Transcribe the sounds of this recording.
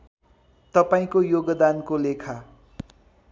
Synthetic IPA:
t̪ʌpaĩkojoɡʌd̪ankolekʰa

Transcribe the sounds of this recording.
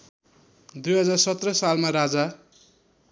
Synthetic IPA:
d̪ujɦʌd͡zarsʌt̪rʌsalmaɾad͡za

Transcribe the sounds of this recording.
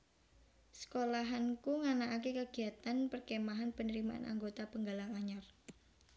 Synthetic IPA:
sə̥kolaɦankuŋanaʔak̬ekəɡ̥i̤at̪anpərkemaɦanpənəɾimaʔa̰na̰ŋɡot̪apəŋɡalaŋaɲar

